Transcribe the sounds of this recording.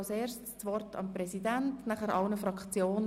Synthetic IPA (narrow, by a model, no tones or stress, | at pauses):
lseːɾʃtt͡sʋɔrtʰɑ̰mprɛsidæntnæχæɾʔɑlnəfɾɑkt͡sjoːnə